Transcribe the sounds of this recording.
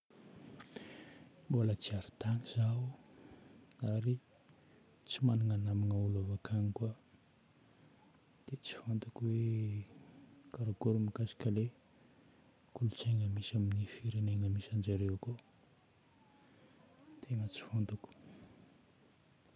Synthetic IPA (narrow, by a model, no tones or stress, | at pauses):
bolət͡siaɾi̥t̪aŋiz̥au | aɾi | t͡simaniŋanamiŋaulavakʰanikua | d̪̥et͡si̥font̪ukwe | kaɾaɡoɾumikasi̥kəle | kulut͡seŋəmisaminifiɾeneŋəmisand͡ʒaɾewko | t̪ʰeŋət͡si̥font̪uku̥